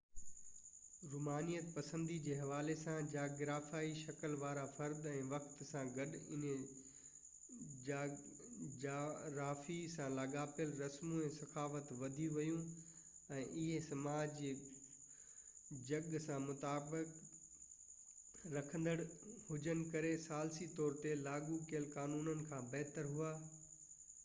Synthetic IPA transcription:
ɾuːmaːnijət̪pɐsə̃nd̪id͡ʑeːɦɐʋaːlesãd͡ʑaːɡɾaːfaːiʃɐkəlʋaːɾafɐɾd̪ɛ̃ːʋɐkt̪sãɡɐɗɪ̰n | ɾaːfisãlaːɡaːpjəlɾɐsmũɛ̃ːsɐxaːfət̪ʋɐd̪ʱijũʋɐjũ | ɛ̃ːʔɪɦesɐmaːd͡ʑ | d͡ʑɐɡsãmʊt̪aːbɪk | ɾɐkʰə̃nd̪əɽhʊd͡ʑənɪ̆kɐɾesaːlsit̪ɔːɾt̪elaːɡukiəlkaːnuːnənɪ̆kʰãbɐɦt̪əɾɦuaː

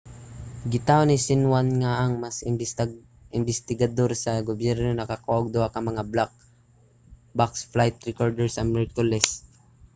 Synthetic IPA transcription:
ɡɪt̪aonɪsɪnwanŋaʔɐŋmas | ʔɪmbɪst̪ɪɡɐd̪o̞ɾsɐɡobjɛɾnonɐkakaʔoɡ̚d̪ohakɐŋmɐŋablak̚ | baksflajt̪̚ɾɛkoɾd̪ɛɹsɐmɛɹkʊlɛs

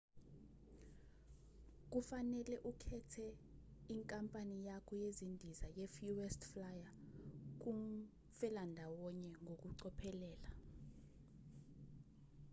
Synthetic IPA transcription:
k̬ufanɛlɛʔukʰɛtʰɛiŋkʼampʼanijakʰɔjezindʱizajɛfuwɛstflajak̬um | fɛlandʱawɔɲɛŋɡʱok̬ʼuǀɔpʰɛlɛːla

